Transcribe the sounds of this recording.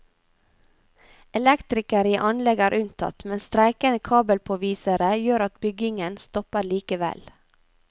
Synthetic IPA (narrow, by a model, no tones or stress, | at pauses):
ɛlɛkt̪ɾɪkəɾiːʔɑnlɛɡæːɾʔʉnt̪ʰɑ̰t̪mɛnst̪ɾæɪkənəkʰɑːbəlpʰoːʋiːsəɾəjøːɾɑt̪bʏɡɪŋənst̪ɔpəɾliːkəʋɛ̰l